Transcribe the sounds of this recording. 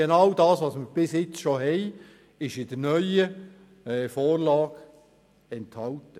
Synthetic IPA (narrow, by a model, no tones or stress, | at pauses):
enɑwdɑːsvɑːsməɾb̥ɪsjɪt͡sʃoɦɛɪ | ɪʃɪd̥əɾnœʏə | ɛːfoːrlɑːɡ | ɛnthɑltə